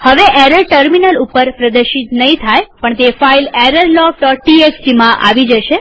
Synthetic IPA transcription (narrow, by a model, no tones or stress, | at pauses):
həʋeʔeɾəlʈəɾminəlupːəɾpɾəd̪əɾʃit̪nəɦĩt̪ʰajpəɳt̪efaileɾəɾlɔfɖɔʈ̚ʈieksʈimãʔa̰ʋid͡ʒəʃe